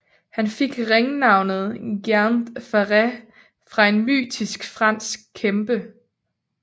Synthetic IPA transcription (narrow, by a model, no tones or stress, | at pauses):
hænfe̝ɡ̥ʁeŋnɑ̈ʊnð̞̩ˠɡ̥ænd̥fæʁɛ | fʁɑ̈e̝nmy̰ːdisɡ̥fʁɑn̰sɡ̥̚kʰːemb̥ə